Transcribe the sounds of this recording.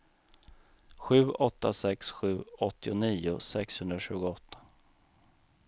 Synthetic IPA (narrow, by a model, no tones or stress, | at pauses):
ɧʉ̟ːɔt̪ːasɛksɧʉ̟ːɔt̪ːɪʊniːʊ̰sɛkshɵnd̪ɾaɕʉ̟ːɡʊɔt̪ʰːḁ